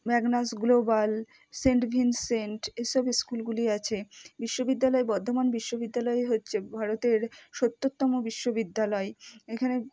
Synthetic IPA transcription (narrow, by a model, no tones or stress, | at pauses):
mɛɡnasɡlobal | seɳʈbʱinseɳʈejʃɔbeskulɡuliat͡ɕʰebiʃːobid̪ːalɔebɔɾd̪ʱomanbiʃːobid̪ːalɔeɦotːɕʰebʱaɾot̪eɾʃot̪ːot̪ːɔmobiʃːobid̪ːalɔeekʰane